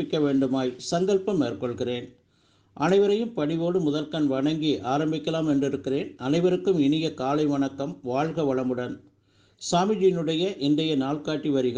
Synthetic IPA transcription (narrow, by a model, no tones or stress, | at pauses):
ɪkːɐʋeːɳɖɯmaːjsɐŋɡɐɭpɐmːeːrkɔɭɣɪreːn | ʔɐ̰nɐɪʋɐɾɐjɯmpɐɽɪʋoːɽɯmʊðɐlkɐnʋɐɳɐŋɡiʔaːɾɐmbɪkːɐlaːmɛndrɪɾɯkːɪreːnɐnɐɪʋɐɾɯkːɯmɪɳɪjɐkaːlɐɪʋɐɳɐkːɐmʋaːɻɣɐʋɐɭɐmɯɽɐn | saːmɪd͡ʒɪjnɯɽɐjɐʔɪndɐjɐnaːɭkaːʈːiʋɐɾɪɣɐ